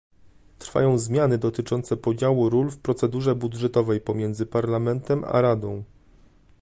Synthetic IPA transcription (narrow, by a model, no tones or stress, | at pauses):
t̪ɾfa̰jɔ̃w̃zmʲjanɘd̪ɔt̪ɘt͡ʂɔnt̪sɛpɔd͡ʑawuɾulfpɾɔt̪sɛd̪uʐɛbud̪ʐɛt̪ɔvɛjpɔmʲjɛnd̪zɘpaɾlamɛnt̪ɛma̰ɾad̪ɔ̃w̃